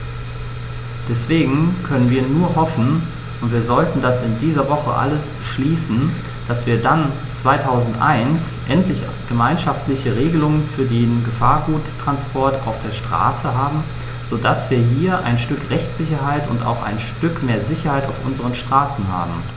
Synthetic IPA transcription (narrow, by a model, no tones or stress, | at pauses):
d̥ɛsv̥eːɡŋ̩kʰœnənviːɐnuːɐɦɔfn̩ | ʔʊntv̥iːɐzɔltn̩dasɪndiːzɐvɔχə̰ʔa̰ləsb̥əʃliːsn̩ | d̥asv̥iːɐdan | t͡sv̥aɪtʰaʊzn̩tʔa̰ɪns | ʔɛntlɪç | ɡ̥əmaɪnʃaftlɪçəʁeːɡəlʊŋənfyːɐdeːnɡəfaːɐɡuːttʁ̥anspʰɔɐta̰ʊfd̥eːɐʃtʁ̥a̰ːsəɦaːbm̩ | z̥oːdasv̥iːɐɦiːɐʔaɪnʃtʏkʁɛçt͡sz̥ɪçɐɦaɪtʊ̰nta̰ʊxa̰ɪnʃtʏkmeːɐzɪçɐhaɪta̰ʊfʔʊ̰nzəʁ̞ənʃtʁ̥aːsn̩hɦa̰ːbm̩